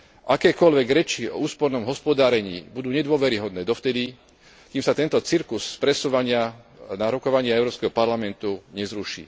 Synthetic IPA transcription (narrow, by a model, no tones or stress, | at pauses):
ʔakɛːkɔʎʋɛɡɾɛt͡ʃiɔ̰uːspɔɾnɔmɦɔspɔd̪aːɾɛɲḭːbud̪uːɲɛd̪ʊɔʋɛɾiɦɔd̪nɛːd̪ɔft̪ɛd̪i | kimsat̪ɛnt̪ɔt͡siɾkusspɾɛsuʋaɲɪanaɾɔkɔʋaɲɪaɛʊɾɔːpskɛɦɔpaɾlamɛnt̪uɲɛzɾuʃḭː